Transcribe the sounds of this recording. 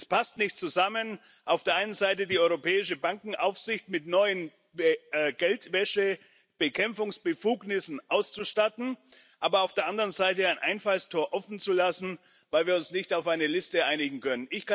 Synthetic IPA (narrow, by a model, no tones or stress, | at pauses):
spʰastnɪçtt͡suzamən | ʔaʊfd̥eːɐʔaɪnənzaɪtədiːɔʏʁopʰɛːɪʃəbaŋkŋ̩ʔaʊfz̥ɪçtmɪtnɔʏən | bɡ̥ɛltvɛʃə | b̥əkʰɛmfʊŋsb̥əfuːɡnɪsn̩ʔaʊst͡suʃtatn̩ | ʔaːbɐaʊfd̥eːɐʔandəʁənzaɪtəaɪnʔa̰ɪnfalstʰoːɐʔɔfn̩t͡sulasn̩ | vaɪlviːɐʊnsnɪçtaʊfʔaɪnəlɪstəʔaɪnɪɡŋ̩kʰœnənɪçka